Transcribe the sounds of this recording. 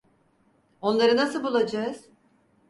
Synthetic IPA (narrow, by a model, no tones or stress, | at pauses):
o̞nlˠaɾɯnasɯlˠbulˠad͡ʒaɯz̥